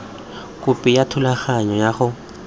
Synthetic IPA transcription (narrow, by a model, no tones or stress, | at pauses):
kʼʊpʼɪjatʰʊlaχaɲɔjaχʊ